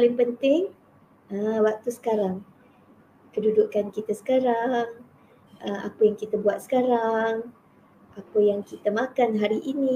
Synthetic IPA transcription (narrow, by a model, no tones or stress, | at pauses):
palɪŋpənt̪ɪŋ | əwak̚t̪usə̥kaɾaŋ | kədudʊkankit̪asə̥kaɾaŋ | ʔəma̰pəjaŋkit̪abuat̪̚sə̥kaɾaŋ | ʔapəjaŋkit̪amãkanɦaɾiʔinĩ